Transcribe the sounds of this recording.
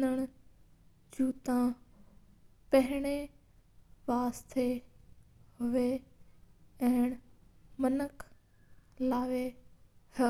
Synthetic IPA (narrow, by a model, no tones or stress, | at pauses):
əɽ̃ | d͡ʑuːt̪ã | pɐɦɪɽ̃e | ʋaːst̪ʰe | ɦʊʋe | ɛ̃ːɪɽ̃mɐnəkʰ | laːʋehə